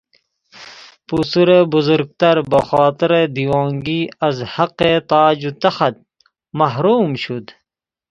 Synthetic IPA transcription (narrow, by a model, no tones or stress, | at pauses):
pusuɾebuzuɾɡ̚t̪ɐɾbɐxaːt̪əɾed̪iwɑːŋɡiːɐzhɐqet̪aːd͡ʑut̪ɐxɐt̪̚ | mɐɦɾuːmɕud̪